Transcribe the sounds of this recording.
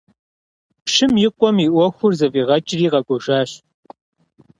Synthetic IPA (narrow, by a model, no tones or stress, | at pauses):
pʂɪmjɪqʷʼɔmiːʔʷɔxʷʊrzɐviːʁɐt͡ʃʼɪriːʁɐɡʷɔʒaːɕ